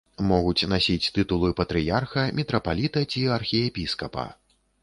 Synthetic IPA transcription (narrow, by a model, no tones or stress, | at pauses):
mɔɣut͡sʲnasʲit͡sʲt̪ɨt̪ulˠɨpɐt̪ɾɨjarxɐmʲɛt̪ɾɐpalʲit̪ɐt͡sʲiɐrxʲiɛpʲiskɐpɐ̰